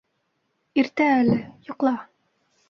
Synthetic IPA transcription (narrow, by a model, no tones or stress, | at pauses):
iɾt̪æælɘjŏqlˠɑ